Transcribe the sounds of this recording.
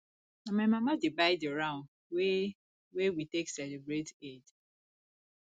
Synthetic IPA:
amamamadebaɪdiɾaʊ̃n | we | wewiteksɛlebɾeted

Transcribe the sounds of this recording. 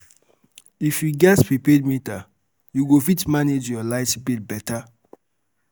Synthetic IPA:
ifjuɡɛtpipedmĩta | juɡofitmaned͡ʒjɔlaɪtbitbɛta

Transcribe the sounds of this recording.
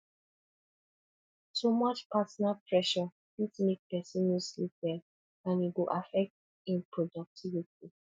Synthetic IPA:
tomɔt͡ʃpatɔnapʰɹɛʃɔ | itnik̚pɛsĩnuslipdɛ | ãniɡoʔafɛk̚t | ĩnpʰɹɔdɔk̚tʰiviti

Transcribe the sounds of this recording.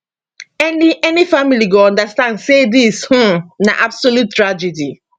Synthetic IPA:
ɛniɛnifamiliɡoɔ̃ndastãndsedishũna̰ʔabsolut̚tːɹad͡ʒɛdi

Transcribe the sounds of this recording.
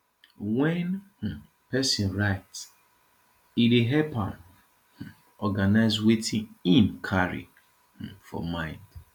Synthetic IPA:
wɛ̃n̩ | pɛsĩnɹaɪts | ideɦɛpan | ɔɡanaɪzwetʰĩnĩnkʰaɹḭ | fɔ̰mãɪ̃nd̥

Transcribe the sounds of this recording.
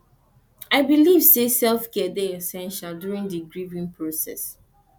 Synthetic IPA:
aɪbilivsesɛlfkɛdɛɛsɛ̃nʃaldjuɹĩndiɡɹivĩnpʰɹosɛ̰s

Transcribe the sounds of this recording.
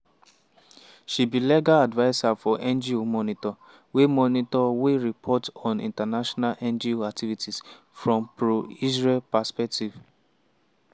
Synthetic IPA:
ʃibilɛɡaadvaɪsafɔʔɛ̃nd͡ʒiomɔnitɔ | wemɔnitɔweɹipʰɔtɔ̃nḭ̃ntanaʃɔnalʔɛ̃nd͡ʒioak̚tʰivitis | fɹɔ̃mpɹoizɹɛlpaspɛk̚tiv

